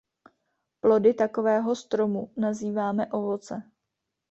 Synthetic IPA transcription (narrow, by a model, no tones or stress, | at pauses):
plo̞dɪt̪ako̞vɛːɦo̞st̪ɾo̞munaziːvaːmɛʔo̞vo̞t͡sɛ